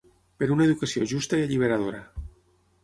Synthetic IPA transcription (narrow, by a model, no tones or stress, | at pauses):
peɾunaeðukasjoʒust̪aieʎiβ̞eɾað̞oɾa